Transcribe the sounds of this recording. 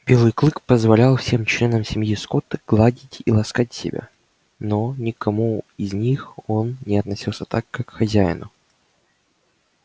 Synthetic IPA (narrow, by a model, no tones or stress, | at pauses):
b̥ʲelˠɨjklˠɨkpəzvɐlʲalˠfsʲe̞mt͡ɕlʲe̞nəmsʲɪmjiskot̪əɡ̥lˠadʲɪtʲḭlˠɐskatʲsʲɪ̰bʲa̰ | nonʲɪkɐmuɪzʲnʲixonnʲɪɐt̪nɐsʲilˠsʲət̪akːakxɐzʲæjɪ̰nʊ̰